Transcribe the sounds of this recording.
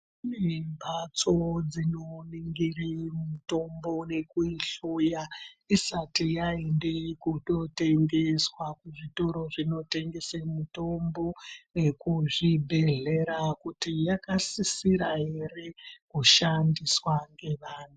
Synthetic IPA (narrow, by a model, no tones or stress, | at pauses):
nembʱat͡so̞d͡zino̞niŋɡirimuto̞mbo̞ne̞kuiɬujaisatijaende̞kuto̞te̞ŋɡe̞swakuʐito̞ɾo̞ʐino̞te̞ŋɡe̞semuto̞mbo̞nekuʐibʱe̞ɮe̞ɾakutijakasisiɾaɦe̞re̞kuʃandiswaŋɡe̞ʋaːn̤u